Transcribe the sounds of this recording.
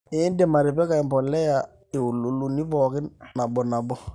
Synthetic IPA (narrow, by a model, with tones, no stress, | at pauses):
ɪ˦nde˦˨ma˨ɾɪ˨pɛ˦ka˨ɪ˨mbɔ˨lɛ˦ja˨ | ɪ˨ʊ˨lu˨˦lu˨ni˦fɔ˨kɪ˦nna˨bɔ˨na˨bɔ˦